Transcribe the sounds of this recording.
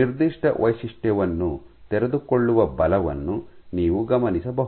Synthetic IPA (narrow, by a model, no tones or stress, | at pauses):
iɾd̪iʂʈɐʋɐjsiʂʈjɛʋɐnːu | t̪eɾed̪ukoɭːuʋɐbɐlɐʋɐ̰nːuniːʋuɡɐmɐnisɐbɐɦ